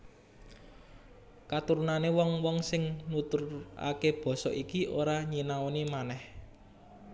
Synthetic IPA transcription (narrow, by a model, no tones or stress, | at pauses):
kat̪uɾunanewɔŋwɔŋsɪŋnut̪ʊra̰keb̥ɔ̤sɔ̰ʔikiʔoɾaɲinaonimanɛh